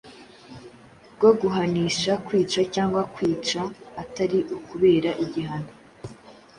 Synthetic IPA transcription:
ɾɡoɡuɦaniːʃakwiːt͡ʃacaːŋɡwakwiːt͡ʃaːtaɾiʔukuβe̞ːɾaʔiɟiɦano

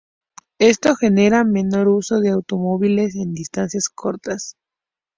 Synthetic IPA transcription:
e̞st̪o̞xe̞ne̞ɾame̞no̞ɾuso̞ðeawt̪o̞mo̞βile̞s̬e̞nd̪ist̪ansjaskʰo̞ɾt̪as

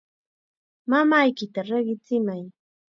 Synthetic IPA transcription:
mamajkɪt̪aɾeɢɪt͡sɪmaj

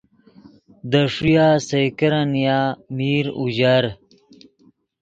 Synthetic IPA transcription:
d̪əʂujaːsɐjkɐɾanijaːmiːɾṵʑaɾ

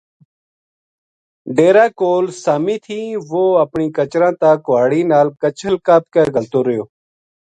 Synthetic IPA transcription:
ɖeːɾaːkoːlsaːmĩːt̪ʰiːʋoːəpɳiːkət͡ʃɾãːt̪aːkʊʋaːɽiːnaːlkət͡ʃəlkaːp̚kəɾɡʱəlt̪oːɾəjoː

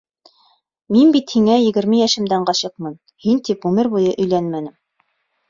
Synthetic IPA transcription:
minbit̪hiŋæjɘ̆ɡɘ̆ɾmɘjæʃɘ̆md̪æɴɢɑɕɤqmɤn | hint̪ipʉmɘɾbujɤʔɵ̆jlænmænɘm

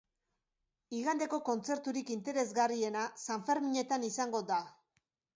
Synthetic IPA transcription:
iɣand̪e̞ko̞ko̞nt͡se̞ɾt̪uɾikint̪e̞ɾe̞zɣarie̞nasaɱfe̞ɾmiɲe̞t̪anisaŋɡo̞d̪a

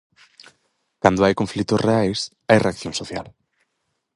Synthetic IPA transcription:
kand̪oajkõɱflik̚t̪ʊsreajs | ajreakθjoŋsoθjal

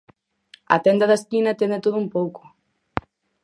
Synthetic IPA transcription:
ɐ̰t̪ɛnd̪ɐðaɐskinɐt̪ɛnd̪et̪oðʊumpowko̥

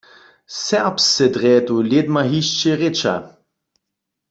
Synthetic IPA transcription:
sɛʁpsːɛd̪ʁɛːt̪uljed̪maɦiʃt͡ʃɛʁet͡ʃa̰

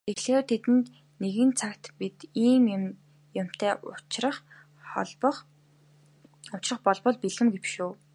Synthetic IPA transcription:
t̪eɣɮeːt̪ʰet̪ɘ̆nt̪ | neɣɘ̆nt͡sʰakt̪pit̪iːm | jʊm̥t̪ʰæːʊt͡ɕrə̆χ | χɔ̰ɮpɞ̆χ | ʊt͡ɕrə̆χpɔɮpɞ̆ɮpiɮɘ̆mɡewʃuː

